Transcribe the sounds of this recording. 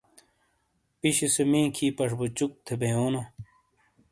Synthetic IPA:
piɕisemẽːkʰiːpɐʂbut͡ɕuk̚t̪ʰebejoːno

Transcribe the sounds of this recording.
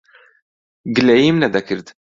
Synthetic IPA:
ɡɨlɛjimnɛd̪ɐkʰɨɾt̪

